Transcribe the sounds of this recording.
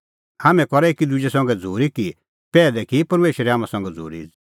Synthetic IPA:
haːmɛ̃kɔɾɛeːkid̪ʊd͡ʒesɐ̃ŋ̆ɡɛd͡zʱuːɾiki | pɛːlɛkipɐɾmeːʃɾɛɦaːmãsɐ̃ŋɡɛd͡zʱṵːɾḭ

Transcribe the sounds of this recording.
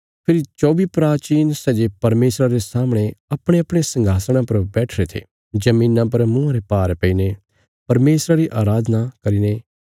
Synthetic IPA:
pʰɪɾit͡ʃɔːbipɾaːt͡ʃiːnsɛd͡ʒepɐɾmeːsɾaɾesaːmɽ̃eɐpɽ̃eɐpɽ̃esɐ̃ŋɡʱaːsɽ̃ãpɐɾbɛːʈʰɾet̪ʰḛ | d͡ʒɐmĩːnãpɐɾmʊ̃ãɾepaːɾpɛine | pɐɾmeːsɾaɾiʔaːɾaːd̪nakɐɾine

